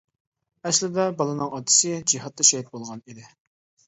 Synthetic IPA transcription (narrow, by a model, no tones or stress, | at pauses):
ɛslɪd̪ɛbɑlˠɨnɨŋɑt̪ʰɨ̥sɨd͡ʒiɦɑt̪ːɑʃɛɦit̪̚bolˠʁɑnid̪ɪ